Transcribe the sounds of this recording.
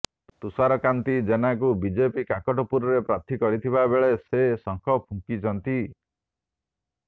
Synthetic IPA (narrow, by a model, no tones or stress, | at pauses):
t̪usaɾɔkant̪id͡ʒenak̬ubid͡ʒepikakɔʈɔpuɾɔɾepɾat̪ʰikɔɾit̪ʰibabeɭesesɔŋkʰɔpʰuŋkit͡ʃʰɔnt̪i